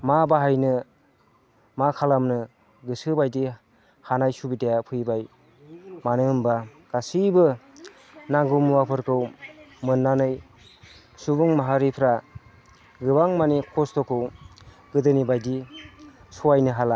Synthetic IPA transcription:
mabaɦajnɯ | makʰalamnɯ | ɡɯsɯbajdi | hanajsubidejapʰɯjbaj | manɯmbaɡ̥asibɯ | naɡumwapʰɯɾkʰɯwmɯnːanɯj | subuŋmaɦaɾipʰɾa | ɡɯbaŋmanikʰɔstɔkʰɯw | ɡɯdɯnibajdi | suwajnɯɦala

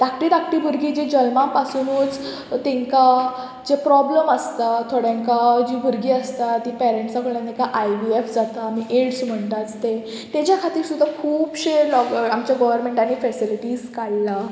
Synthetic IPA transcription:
t̪ak̚ʈiːt̪ak̚ʈiːbʱuɾɡiːd͡ʑed͡ʑəlmãpasuːnut͡s | t̪ẽŋka | d͡ʑepɾɔbləməst̪at̪ʰoɽjãŋkad͡ʑibʱuɾɡiːəst̪at̪ipɛɾẽɳʈsakʰəɭãt̪ẽkaʔajʋiefd͡zat̪amiːʔeɽsm̤əɳt̪at͡st̪e | t̪at͡ɕjakʰat̪iːɾsud̪ʱakʰuːbɕeɾlɔkamt͡ɕjaɡɔʋəɾmeɳʈañifɛsiliʈiːskaɽla

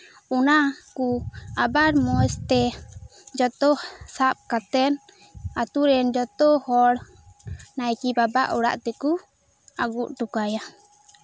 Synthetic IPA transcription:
unakuabaɾmɔst̪ɛ | d͡ʒɔt̪ɔsap̚kat̪ɛn | at̪uɾɛnd͡ʒɔt̪ɔhɔɽ | najkibaba̰ʔɔɽa̰ʔt̪ɛku | aɡuʔʈukaja

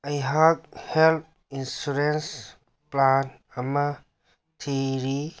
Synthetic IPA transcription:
ajɦak̚help̚ | insuɾens | plan | ama | tʰiɾi

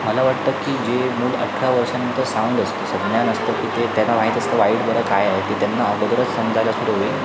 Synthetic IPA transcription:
məlaʋaʈ̚t̪əkːiːd͡ʑemuːlə̰ʈʰɾaʋəɾʂanənt̪əɾsauɳɖəst̪osəɡɳjanəst̪əkiːt̪et̪anaʋaɦit̪əst̪əʋaiɽbəɾəkajaɦekiːt̪janːaəbəd̪ɾət͡ssənd͡zʱaljasuɽəɦoe

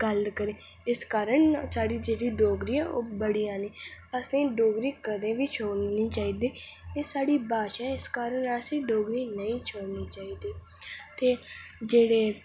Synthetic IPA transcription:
ɡəlkəɾẽː | ɪskaːɾəɳsaːɽiːd͡ʒeːɽiːɖoːɡɾiːɛːo̰ːbəɽiːãːniːəsẽːɖoːɡɾiːkəd̪ẽːʋiːt͡ʃʰoːɽniːt͡ʃaːiːd̪iːeːsaːɽiːbaːʃɛ̃ːɪskaːɾəɳəsĩːɖoːɡɾiːnəĩːt͡ʃʰoːɽniːt͡ʃaːiːd̪iː | t̪eːd͡ʒeːɽeː

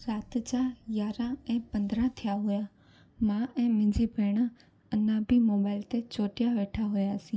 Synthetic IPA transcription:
ɾaːt̪t͡ʃajaːɾãɛ̃ːpə̃nd̪ɾãt̪ʰɪjaɦʊjaː | mãɛ̃ːmɪ̃ɲd͡ʒibʱeːɽ̃a | ənãːbʱimoːbaːɪlt̪et͡ʃoːʈɪjaʋeːʈʰaɦʊjaːsĩː

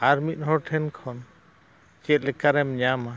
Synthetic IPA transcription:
aɾmit̪̚ˀɦɔɾʈʰɛnkʰɔn | t͡ʃɛt̪̚lɛkaɾɛmɲama

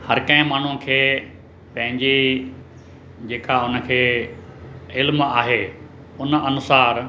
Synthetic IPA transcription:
hɐɾkɐ̃ɦɪ̃maːɳ̤ũkʰeː | pɐ̃ɦɪ̃ɲd͡ʑi | d͡ʑeːkaʊnə̆kʰeː | ɪlmaːɦe | ʊnɐnʊsaːɾ

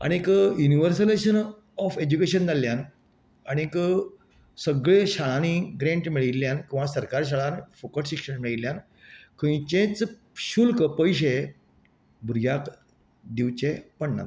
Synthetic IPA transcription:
a̰ɽ̃ikjuniʋəɾsəleɕən | ɔfed͡ʑukeɕənd͡z̪alːjan | aɽ̃ik | səɡɭeɕaɭaniɡɾẽɳʈmiɭilːjankĩw̃ʋasəɾkaɾɕ̬aɭanfokəʈɕikʂənmiɭiljan | kʰə̃j̃t͡ɕẽt͡s | ɕulkəpəjɕ̬e | bʱuɾjak | d̪iʋt͡ɕepəɳna̰t̪

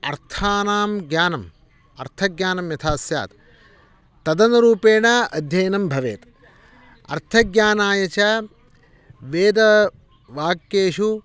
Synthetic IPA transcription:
ɐɾt̪ʰaːnaːmɡjaːnɐm | ɐ̰ɾt̪ʰɐɡɲaːnɐmjɐt̪ʰaːsja̰ːt̪ | t̪ːɐd̪ɐnɐɾuːpeːɳɐɐd̪ʱjɐjnɐmbʱɐʋḛːt̪ | ɐ̰ɾt̪ʰɐɡjaːnaːjɐt͡ʃɐ | ʋeːd̪ɐ | ʋaːkːeːʂu

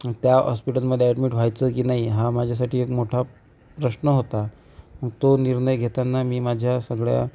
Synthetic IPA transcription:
t̪jaɦɔ̰spiʈəlməd̪ʱjeɛɖmiːʈʋ̤ajt͡səkiːnaɦiɦamad͡ʑʱjas̬aʈʰiːekmoʈʰa | pɾəɕnəɦot̪a | məɡ̚t̪oniɾɳəjɡʱet̪anːamiːmad͡ʑʱjasəɡɭja̰

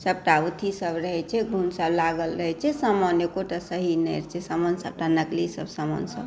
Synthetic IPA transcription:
səb̚ʈaut̪ʰisəbɾəɦɛt͡ʃʰɛɡʱunsəblaɡəlɾəɦɛt͡ʃʰɛsəmənekoʈasəɦinɛjɾt͡ʃʰɛsəmənsəb̚ʈanəklisəbsəmə̰nsə̰b

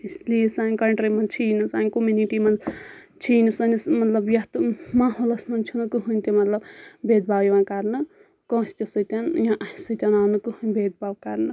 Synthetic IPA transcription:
islisanʲkɐɳʈɾimɐnt͡ʃʰinɨsaːnʲkomuniʈimɐnd͡z | t͡ʃʰiːnisɐnismɐt̪lɐbjɐt̪maɦolɐsmɐnt͡ʃʰunɐkɨɦunʲt̪emɐt̪lɐbbed̪̚bʱabjʋãnkaɾnɐ | kɔ̃st̪ʲesɨt̪anjãʔɐisɨt̪ʲanaːnɐkɨhunbed̪̚baːbkaɾnɐ

